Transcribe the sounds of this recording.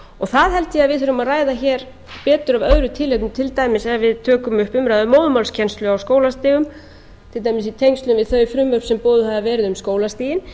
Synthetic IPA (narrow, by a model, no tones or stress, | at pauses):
ɔɣθaðɦɛlt̪ɪjɛaðvɪðθʏɾʏmaðraːjðaçɛːɾ | pɛːt̪ʏɾavœðɾʏt̪ʰɪlɛt̪nʏt̪ʰɪlt̪aːjmɪsɛvɪðt̪ʰœːkʏmʏhpʏmɾajðʏmoːwðʏmalscʰɛnst̪lʏawskoːwlast̪ɪːɣʏm | t̪ʰɪlt̪ajmɪsit̪ʰejŋst̪lʏnvɪðθœɥjfɾʏmvœɾpsɛmpoːðʏɦaðavɛːɾɪðʏmskoːwlast̪iːjɪn